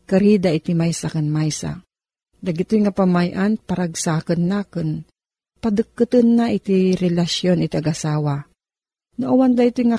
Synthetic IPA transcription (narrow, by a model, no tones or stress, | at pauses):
kaɾid̪aʔɪt̪imajsakanmajsa̰ | d̪aɡɪt̪ojŋapamajʔanpaɾaɡsaːkənːaːkɨn | pɐd̪ɨkːɨt̪ɨnːaʔɪt̪iɾɛlasjonɪt̪iaɡasaːwa | noʔawand̪ait̪ojŋa